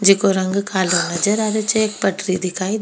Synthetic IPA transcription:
d͡ʒɪkoɾɐŋɡkʰaːlenɐd͡ʒəɾɐɾət͡ʃeːk̚pɐʈɾid̪ɪkʰaːi

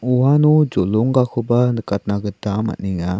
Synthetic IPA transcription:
uwanud͡ʒolɔŋɡakʰɯbanɯkat̪̚naɡɯtama̰ʔniŋa

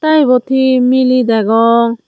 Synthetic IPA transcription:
t̪ajbɔt̪ʰimilid̪ɛɡɔ

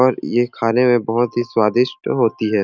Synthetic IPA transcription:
ɔːɾjekʰaːnemẽbɐɦʊt̪ɦiswaːd̪ɪʃʈɦoːt̪iɦɛː

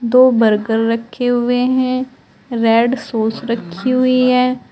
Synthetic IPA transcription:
d̪oːbəɾɡəɾːɐkʰːeɦʊeɦɛ̃ | ɾɛːɖsoːsɾɐkʰːiɦʊiɦɛː

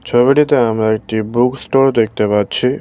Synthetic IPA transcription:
t͡ɕʰobiʈit̪eamɾaek̚ʈibuksʈoɾd̪ek̚ʰt̪epatːɕʰi

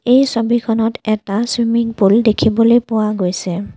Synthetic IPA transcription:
ejsobikʰɔnɔtɛtaswimiŋpuldekʰibɔlojpʊwaɡojsɛ

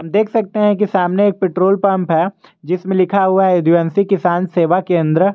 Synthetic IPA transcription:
ɦɐmd̪eːkʰsɐk̚t̪eɦɛ̃k̬isaːmneeːk̚pɪʈɾoːlpɐ̃mpɦɛ | d͡ʒɪsmẽlɪkʰaɦuaɦɛɪd̪uɛːnsikɪsaːnseːʋakẽːnd̪ɾə

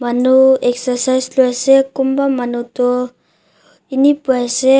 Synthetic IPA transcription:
manueksəsajsluasekumbamanut̪ɔ | inipuase

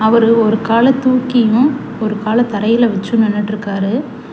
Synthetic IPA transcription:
ɐʋɐɾɯɔɾɯkaːlɐt̪ːuːkːɪjʊ̃ | ɔɾɯkaːlɐt̪ɐɾɐjɪlɐʋɐt͡ʃːɯnɛnːɐʈːɾɯkːaːɾɯ

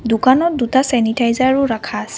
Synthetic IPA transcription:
dukanɔt̚dutasɛnitajzaɹʊɹakʰasɛ

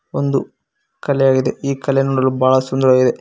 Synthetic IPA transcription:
ond̪u | kɐlɛjaːɡid̪eiːkɐlɛnuːɽɐlːubʱaːɭɐsund̪ɐɾɐʋaːɡid̪e

